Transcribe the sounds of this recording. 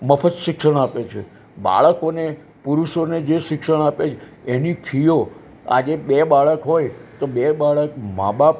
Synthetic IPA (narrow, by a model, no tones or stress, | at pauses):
məpʰət̪ʃɪkʃəɽ̃apet͡ʃʰḛ | ba̰ɭəkone | puɾuʃoned͡ʒeʃɪkʃəɽ̃apet͡ʃʰe | enipʰijo | a̰d͡ʒeɓebaɭəkɦojt̪oɓebaɭəkma̰bap